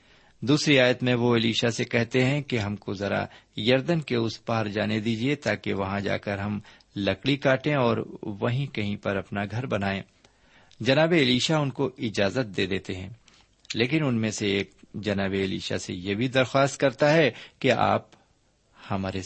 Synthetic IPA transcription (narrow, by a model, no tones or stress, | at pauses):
d̪uːsɾiaːjət̪mẽʋoɪliːʃasekɛɦt̪eɦɛ̃keɦɐmkozɐɾa̰jɐɾd̪ənkeʊspaːɾd͡ʒaːned̪iːd͡ʒiet̪aːkeʋɐɦãd͡ʒa̰ːkɐɾɦɐm | lɐkɽikaːʈẽɔːɾʋɐɦĩkɐɦĩpɐɾɐpnaɡʱɐɾbɐnaːẽː | d͡ʒɐnaːbeːliːʃaʊnkoʔɪd͡ʒaːzət̪̚d̪eːd̪eːt̪eɦɛ̃ː | leːkɪnʊnmẽseeːk̚d͡ʒɐnaːbeɪlḭːʃa̰sḛjebʱid̪ɐɾxwaːst̪̚kɐɾt̪aɦɛkea̰ːp | hɐmaːɾe